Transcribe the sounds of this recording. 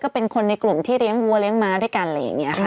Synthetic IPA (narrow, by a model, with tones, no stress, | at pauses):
kɔː˥˩pe˧nkʰo˧nːa˧jklu˨˩mt̪ʰiː˥˩ɾi˦˥əŋwu˧ɐli˦˥əŋmaː˧du˥˩jka˧nla˧ja̰˨˩ŋːi˦˥ɐkʰa˦˥˩